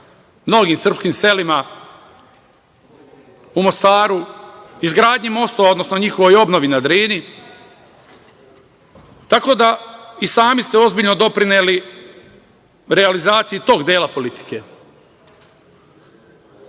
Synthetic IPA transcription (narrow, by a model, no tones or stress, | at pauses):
mno̞ɡiːmsr̩pskiːmse̞lima | umost̪aːɾuizɡɾaːd̪ɲimo̞st̪oaod̪no̞sno̞ɲixo̞ʋojo̞bnoʋinad̪ɾiːni | t̪ako̞ːd̪aisaːmist̪eo̞zbiʎno̞d̪o̞pɾineːli | ɾealizaːt̪sijut̪o̞ːɡd̪jeːlapo̞lit̪i̥ke̞